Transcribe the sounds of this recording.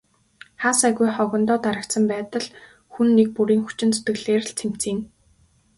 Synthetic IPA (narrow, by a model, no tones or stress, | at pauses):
χaːsæɣujχɔɣʲɞ̆nt̪ɔːt̪aɾə̆k̚t̪sə̆mpæːt̪ə̆ɮ | xunːek̚puɾiːŋxu̥t͡ɕɪ̆nt͡sɵ̥t̪ɡɘ̆ɣɮeːr̆ɬt͡sʰem̥t͡siːn